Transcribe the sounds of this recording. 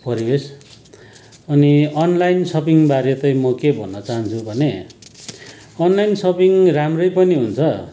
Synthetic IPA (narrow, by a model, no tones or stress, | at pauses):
pʌɾibes | ʌniʌnlajnsʌpiŋbaɾjet̪ʌjmʌkebʱʌnːʌt͡saɦʌnt͡sʰubʱʌne | ʌnlajnsʌpiŋramrʌjpʌniɦunt͡sʰʌ